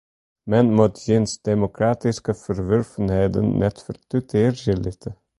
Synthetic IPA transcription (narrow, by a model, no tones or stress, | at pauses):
mɛnmut̪zɪnsd̪̥emokraːtiskəfərvørfənɦɛjdə̰nmʔɛ̰t̪fərt̪ytʰeːrjəlɪtʰə